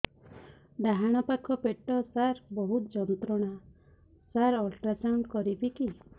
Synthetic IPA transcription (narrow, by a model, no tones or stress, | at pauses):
d̪aɦaɽ̃ɔpakʰɔpeʈɔsaɾbɔɦut̪d͡ʒɔnt̪ɾɔɽ̃a | saɾɔlʈɾasawɳɖkɔɾibiki